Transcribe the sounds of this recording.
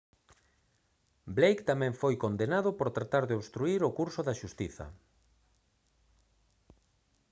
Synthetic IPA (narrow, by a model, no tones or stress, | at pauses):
blejkt̪amɛ̃ɱfojkond̪enaðʊpoɾt̪ɾat̪aɾðeoβst̪ɾuiɾokuɾsʊðaʃust̪iθɐ̰